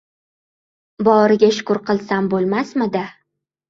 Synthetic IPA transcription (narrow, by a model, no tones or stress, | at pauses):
bɒɾɪɡʲaʃʊ̥kʊɾqʰɨlˠsambolˠmasmɪd̪a